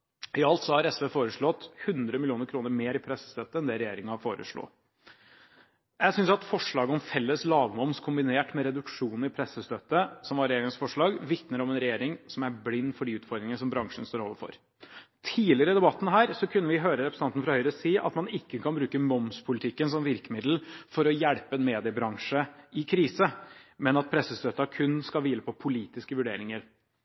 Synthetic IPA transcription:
ɪɑlt̪sɔhɑɾɛsʋeːfoːɾəʂɭɔt̪hʉnd̪ɾəmɪlɪuːnəɾkʰɾuːnəɾmeːɾɪpʰɾɛsːə̥st̪œt̪ːəɛnd̪ɛɾɛjeːɾɪŋɑfoːɾə̰ʂɭo̰ː | jæɪsʏnsɑt̪fɔʂɭɑːɡəɔmfɛlːəslɑːɡmɔmskʰʊmbɪneːʈmɛɾɛd̪ʉkʂuːn̩ɪpʰɾɛsəst̪œt̪ːəsɔmʋɑɾɛjeːɾɪŋsfɔʂɭɑːɡʋɪt̪nəɾɔmɛnɾɛjeːɾɪŋsɔmæɾblɪnːfɔɖiʉːt̪fɔɾd̪ɾɪŋənəsɔmbɾɑŋʂənst̪oːɾoːʋəɾfɔ̰ɾ | t̪ʰiːlɪəɾəɪd̪ɛbɑt̪ːn̩ɦæːɾsɔkʰʉnːəʋɪɦøːɾəɾɛpʰɾəsɑnn̩fɾɑhœʏɾəsiːʔɑ̰t̪mɑnɪkːəkʰɑnbɾʉːkəmɔmspʰʊlɪt̪ʰɪkːənsɔmʋɪɾkəmɪd̪l̩fɔɾɔjæɽpəɛnmeːd̪ɪəbɾɑŋʂəʔɪkʰɾiːsəmɛnɑt̪̚pʰɾɛsːəst̪œt̪ːɑkʰʉnːskɑlʋiːləpʰɔpʰʊliːt̪ɪskəʋʉɖeːɾɪŋəɾ

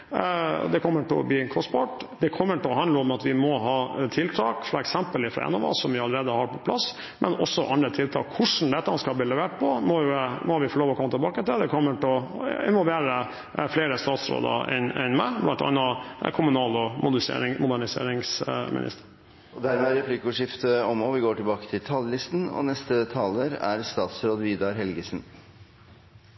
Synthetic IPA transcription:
d̪ɛkʰɔmːəʈɪlɔ̰bliːkʰɔsbɑʈd̪ɛkʰɔmːəʈɛlɔhɑnd̪əɔmɑt̪ʋɪmɔɦɑːt̪ʰɪlt̪ʰɑːkfɾɑ̰ɛksɛmpəlɪfɾɑ̰ɛ̰nːɑʋɑ̰ːsɔmʋɪɑləɾeːd̪əhɑɾpʰɔpʰlɑs | mʔɛnɔsːɔʔɑnɾət̪ʰɪlt̪ʰɑ̰ːkʰːʊʂn̩d̪ɛt̪ːəɑnskɑlb̪iːlɛʋeːʈ̚pʰɔmɔmɔʋɪfɔɭoːʋɔkʰɔmːət̪ʰɪlbɑːkət̪ɪld̪ɛkʰɔmːəʈɛɔɪ̰nʋɔlʋeːɾə | fleːɾəst̪ɑːt̪sɾo̰ːd̪ə̰ʔɛnɛnmæ̰ɪblʔɑnt̪ɑ̰nːɑkʰʊmʉnɑːlɔmʊd̪sḛɾɪŋmʊd̪æɳɪsḛːɾɪŋsmʔɪ̰nʔɪ̰st̪əɾ | ɔd̪æɾmɛæɾɛpʰlɪkːʊʂɪft̪əɔmɔʋɪɡoːʈɪlbɑːkə̥t̪ʰɪlt̪ʰɑllɪst̪n̩ɔ̰nɛst̪ət̪ʰɑːləɾæ̰ɾst̪ɑːt̪sɾoːd̪ʋiːd̪ɑɾɦɛlɡəsən

